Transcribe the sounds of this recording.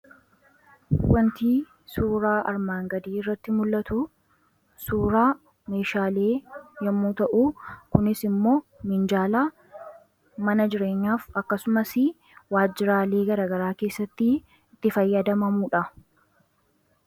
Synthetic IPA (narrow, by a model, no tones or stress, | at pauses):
wɐnt̪iː | suːɾaːʔɐɾmaːŋɡɐd̪iːɪrːɐt̪ːɪmʊlːɐt̪u | suːɾaː | me̞ːʃaːle̞ːjɐmːuːt̪ɐʔuːkʊnɪsɪmːo̞ːmɪnd͡ʒaːlaː | mɐnɐd͡ʒɪɾe̞ːɲːaːfɐkːɐsʊmɐsɪ | waːd͡ʒːɪɾaːle̞ːɡɐɾaːɡɐɾaːkeːsːɐt̪ːɪ | ɪt̪ːɪfɐjːɐd̪ɐmɐmuːᶑɐ